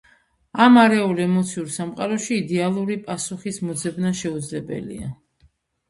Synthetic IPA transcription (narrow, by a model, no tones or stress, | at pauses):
amaɾɛulɛmɔt̪sʰiuɾsamqʼaɾɔʃiːd̪ɛalˠuɾipʼasuχismɔd̪zɛbnaʃɛud̪zlɛbɛ̰lḭa̰